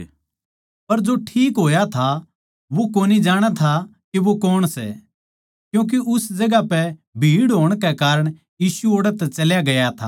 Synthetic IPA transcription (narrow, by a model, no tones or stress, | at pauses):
pɐɾd͡ʒoʈʰiːkɦoːjat̪ʰa | ʋokoːnid͡ʒaːɽ̃at̪ʰakiʋokɔːɽ̃sɛ̰ | kjũːk̬iʔʊsd͡ʒɐɡapɛbʱiːɽɦoːəɽ̃kɛkaːɾəɽ̃ | jiːsuoːɽət̪ːɛt͡ʃɐljaɡɐjat̪ʰa̰